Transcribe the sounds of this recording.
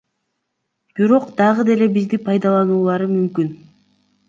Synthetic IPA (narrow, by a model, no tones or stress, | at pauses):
b̥iɾo̞qd̪ɑʁɯd̪e̞le̞bizd̪ipʰɑjd̪ɑlˠɑnuːlˠɑɾɯmymkyn